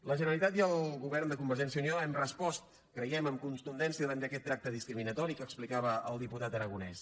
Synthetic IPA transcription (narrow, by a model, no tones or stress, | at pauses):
ləʒənəlit̪at̪jəlˠɣuβɛrnd̪əkumbəɾʒɛns̬iəuniɔɛmrəspɔst̪ | kɾəjɛməmkunt̪und̪ɛnsiəðanəkɛt̪ːɾak̚t̪əðiskɾiminət̪ɔɾikəksplikaβəːlˠd̪iput̪at̪əɾəɣunɛs